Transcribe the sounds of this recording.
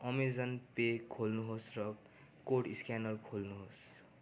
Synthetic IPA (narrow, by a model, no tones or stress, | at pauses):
ʌmizʌnpekʰolnuɦosrʌ | koʈiskanʌlkʰolnuɦos